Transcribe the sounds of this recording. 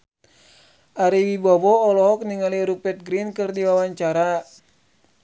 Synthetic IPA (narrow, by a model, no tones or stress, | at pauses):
ʔaɾiwibɔbɔːlɔɦɔk̚niŋaliɾupɛt̪̚ɡɾinkɨrdiwawaɲt͡ʃaɾa